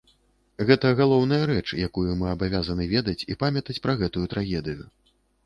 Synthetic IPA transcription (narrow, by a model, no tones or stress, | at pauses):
ɣɛt̪ɐɣalˠɔwn̪ɐjɐɾɛt͡ʂjakujumɨabavʲazɐnɨvʲɛd̪ɐt͡sʲḭpamʲɐt̪ɐt͡sʲpɾɐɣɛt̪ujut̪ɾaɣʲɛd̪ɨju